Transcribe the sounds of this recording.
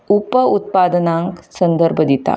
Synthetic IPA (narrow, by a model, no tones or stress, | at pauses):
upəut̪̚pad̪ənãŋksənd̪əɾbʱəd̪it̪a̰